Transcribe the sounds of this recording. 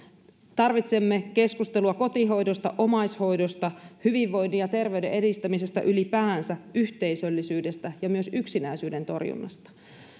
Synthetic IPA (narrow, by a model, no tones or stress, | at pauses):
t̪ɑrʋit̪se̞mːeke̞skust̪e̞luɑko̞t̪iɦo̞jdo̞st̪ɑ̰ʔo̞mɑjsho̞jdo̞st̪ɑhyʋiʋːo̞jnːiɑt̪e̞rʋe̞ydḛʔedist̪æmisest̪æ̰ʔylipæːnsæyçt̪e̞isølːisyːde̞st̪æjɑmyø̞syksinæisyːde̞nt̪o̞̰rjṵnːɑ̰st̪ɑ̥